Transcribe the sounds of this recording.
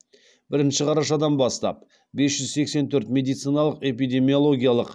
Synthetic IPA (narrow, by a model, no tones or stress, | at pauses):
bɪɾɪnʃɪqʰɑɾɑʃɑd̪ɑnbɑst̪ɑ̰p̚ | besʒ̥ʏzse̞kse̞nt̪ʰɵɾt̪mʲe̞d̪ijt̪sijnɑlˠəqe̞pijd̪e̞mijo̞lˠo̞ɡʲijalˠəq